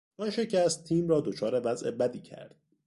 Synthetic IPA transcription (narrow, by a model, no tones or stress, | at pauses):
ɒnʃe̞cʰæst̪ʰːiːmrɒːd̪o̞t͡ʃʰɒːɾe̞væze̞̰bæd̪iːcʰæ̰ɾd̪̥